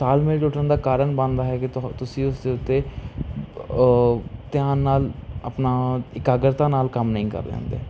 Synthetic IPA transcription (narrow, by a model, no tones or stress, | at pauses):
saːlmẽʈʊʈənd̪aːkaːɾəɳbə̃nd̪aːɦɛːkɪt̪ʊsĩːʊsd̪eːʊt̪ːeː | t̪jãːnːaːləpnaːɪkaːɡəɾt̪ãːnaːlkəmnəĩːkə̰ɾd̪ḛ̃ːnd̪ḛː